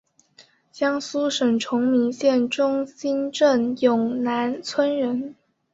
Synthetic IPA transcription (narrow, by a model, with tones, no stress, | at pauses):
ɕjɑ˥ŋsu˥ʂə˨˩ŋʈ͡ʂʰʊ˧˥ŋmi˧˥ŋɕjɛ˥˩nʈ͡ʂʊ˥ŋɕi˥nʈ͡ʂə˥˩njʊ˨˩ŋna˧˥nt͡sʰwə˥nɻə˧˥n